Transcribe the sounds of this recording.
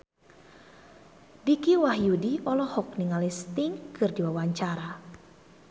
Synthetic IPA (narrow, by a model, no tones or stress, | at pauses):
dikiwahjudiʔɔlɔhɔk̚niŋalist̪iŋkʰɨrdiwawaɲt͡ʃaɾa